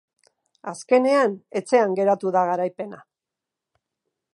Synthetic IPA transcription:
aske̞ne̞ane̞t͡se̞aŋɡe̞ɾat̪uðaɣaɾajpe̞na

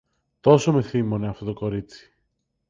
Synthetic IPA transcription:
t̪o̞some̞θimo̞neɐft̪o̞t̪oko̞ɾit͡si̥

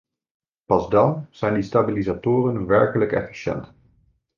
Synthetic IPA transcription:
pɑzdɑnz̥ɛjndistabilizatʊːrənʋɛɹkələkɛ̰fi̥ʃɛ̰nt

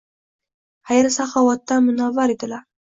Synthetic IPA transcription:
hajaɾsaχɑwat̪ːamʊnavaɾed̪ɪlaɾ

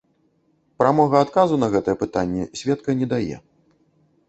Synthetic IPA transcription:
pɾamɔɣɐat̪kazunɐɣɛt̪ɐjɛpɨt̪anʲːɛsʲvʲɛt̪kɐnʲɛd̪ajɛ̰

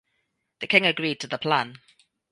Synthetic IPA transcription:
ðəkʰɪ̃ŋəɡɹiːd̚tʰəðəpʰl̥ãn

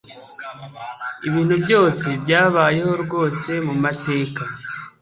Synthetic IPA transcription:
iβiːn̥hubjo̞ːse̞bjaːβaːje̞ho̞ɾɡo̞ːse̞mumate̞ːka

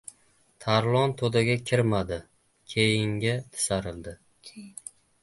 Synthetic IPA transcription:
t̪ʰaɾlˠɒnt̪ʰod̪aɡʲakʲʰɪɾmad̪ɪ | kʲʰejɪŋɡʲat̪ʰɪ̥saɾɪld̪ɪ

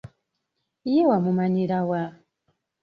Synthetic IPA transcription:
ijɛwamumaɲiɾawa

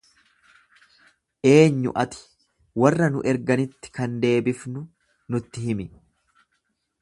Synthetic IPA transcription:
ʔe̞ːɲːʊ̰ʔɐt̪ɪ̥ | wɐrːɐnʊʔɛɾɡɐnɪt̪ːɪ̥kɐnd̪e̞ːbɪfnʊ | nʊt̪ːɪɦɪmɪ

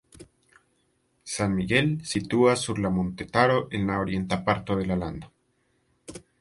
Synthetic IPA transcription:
sanmiɣe̞lsit̪uasuɾlamõnt̪et̪aɾoʔenlaoɾje̞nt̪apaɾt̪oðelaland̪a

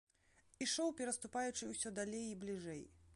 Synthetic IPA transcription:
iʂɔwpʲɛɾɐst̪upajut͡ʂɨwsʲɔd̪alʲejiblʲiʐɛj

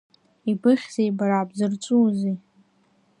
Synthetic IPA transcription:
ibɨχʲzejbaɾaːbzɨrt͡sʼuːzi

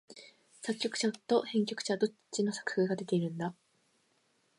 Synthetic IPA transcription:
sakʲːo̞kɯ̟ɕat̪o̞hẽ̞ŋk̬ʲo̞kɯ̥ɕad̪o̞t͡ɕino̞sḁkɯ̟̥hɯ̟ɡad̪e̞t̪e̞iɾɯ̟̃nd̪a

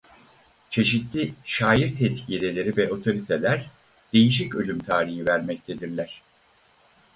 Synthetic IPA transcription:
t͡ʃʰe̞ʃit̪lʲiʃaːjiɾt̪ʰɛscʰijelʲe̞lʲe̞ɾivɛʔo̞t̪ʰo̞ɾit̪ʰe̞lʲæɾ | d̪̥e̞jiʃ̬icø̞lʲymt̪ʰaːɾihivæɾmɛc̚t̪ʰe̞d̪iɾlʲæɾ̥

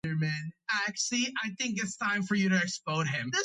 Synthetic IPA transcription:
ə˞mæ̃naɪæk̚t͡ʃl̩ˠiʔaɪθɪ̃ŋk̬ɨtstʰãɪ̃ɱfə˞jɨɾɨɨkspõʊ̃nɪ̃mðɪ

